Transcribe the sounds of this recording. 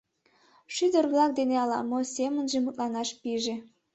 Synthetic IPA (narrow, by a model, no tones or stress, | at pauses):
ʃyd̪ərɣlɑk̚d̪eneɑlɑ̰mosemənʒemut̪lɑnɑʃpiʒe